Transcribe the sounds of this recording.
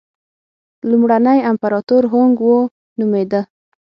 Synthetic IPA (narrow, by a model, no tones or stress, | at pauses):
lumɽanəjampaɾɑt̪oɾɦoŋɡwo | numed̪ə